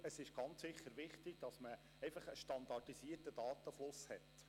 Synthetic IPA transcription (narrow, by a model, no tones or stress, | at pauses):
əsɪʃɡ̥ɑnt͡ssɪχːəɾʋɪχtɪɡ̥̚d̥ɑsmə | ɛɪfɑχəʃtɑnd̪ɑdisiətəd̥ɑːt̪əflʊshɛt